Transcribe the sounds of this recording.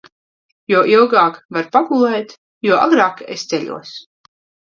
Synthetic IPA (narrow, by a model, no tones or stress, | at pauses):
jɔɔʔilˠɡaːkvaɾpaɡulˠɛjt̪ | juɔʔa̰ɡɾaːkḛst̪sɛʎʲṵɔs